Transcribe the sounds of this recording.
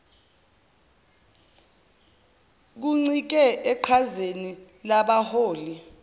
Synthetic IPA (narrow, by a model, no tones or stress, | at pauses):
k̬uŋ͡ǀik̬ɛʔɛǃʰazeni | laɓahoːli